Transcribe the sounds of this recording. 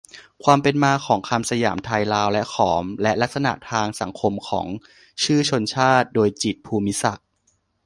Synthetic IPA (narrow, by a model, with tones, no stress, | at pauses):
kʰwaː˧mpe˧nmaː˧kʰɔː˩˦ŋkʰaː˧msa˧jaː˩˦mt̪ʰaː˧jlaː˧wlɛ˦˥ʔkʰɔː˩˦mlɛ˦˥ʔla˦˥k̚sa˧na̰˨˩ʔt̪ʰaː˧ŋsa˩˦ŋkʰo˧mkʰɔ̰ː˩˦ŋ | t͡ɕʰɯː˥˩t͡ɕʰo˧nt͡ɕʰaː˥˩t̪̚doː˧jt͡ɕi˨˩t̪̚pʰuː˧mi˦˥sa˨˩k̚